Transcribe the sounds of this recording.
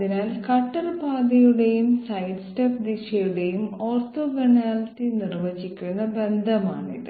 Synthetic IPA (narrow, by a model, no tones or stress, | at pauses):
inaːlkɐʈːɐrpaːd̪ɐjuɽe̞jumsɐjɖstɐpd̪iʂɐjuɽe̞jumoːrt̪oːɡɐnaːltːinirʋɐt͡ɕikʲːunːɐbe̞nd̪ʱɐmaːɳḭðɨ